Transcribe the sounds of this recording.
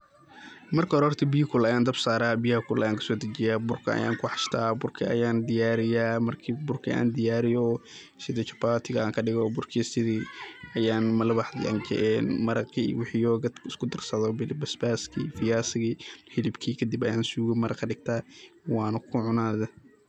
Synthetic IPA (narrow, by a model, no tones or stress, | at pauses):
mɐrkʰɐɾɔːrt̪ʰɐbiːkʰʊlɐjaːnd̪ɐbsaːɾaːbijɐhɐkʰʊlɐjaːŋkʰɐ̥sɔːd̪ɐt͡ʃɪjaːbʊrkʰɐɐ̰ja̰ːŋkʰʊħɑʃt̪ʰaːbʊrkʰiʔɐ̰jaːnd̪ɪjaːɾɪjaːmɐrkʰiːbʊrkʰḭʔa̰ːnd̪ɪjaːɾɪjɔː | sɪðɛt͡ʃɐpaːt̪ʰɪɣɐaːŋkʰɐɖɪɣɔbʊrkʰiːsɪðiːɐjaːnmɐlɐβɑħd̪ɪʔɐ̰nd͡ʒɛ̰ʔɛnmɐɾɐqḭwɪħijɔːɡɐɪskʰʊd̪ɐrsɐðɔbɪlɪbɐsbaːskʰiːfɪjaːsɪɣiːhɪlɪbkʰiːkʰɐd̪ibɐjaːnsuːɣiːmɐɾɐqʰɐɖɪɡ̚t̪ʰaːwɑːnɐkʰʊʕʊnaːðɛ